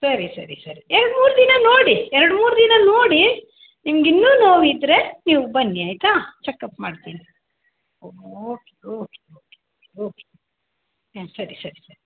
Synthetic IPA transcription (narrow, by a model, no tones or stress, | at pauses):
sɐɾisɐɾisɐɾiɛɾɖmuːɾud̪inɐno̞ːɽiɛɾɽmuːɾud̪inɐnoːɽi | nimɐɡinːuːnoːʋid̪ɾe̞niːʋubɐnːiaːjt̪at͡ʃɛkːɐpmaːɖt̪iːni | ooːkeoːkeoːkeoːkeoːke | sɐɾisɐɾisɐɾi